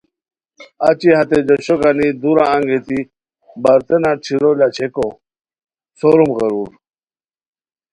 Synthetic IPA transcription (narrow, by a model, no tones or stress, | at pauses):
a̰t͡ɕiɦat̪ed͡ʑoɕoɡanid̪uɾãːŋɡet̪i | bɐɾt̪enat͡ɕʰiɾolat͡ɕʰeko | soɾumɣəɾuɾ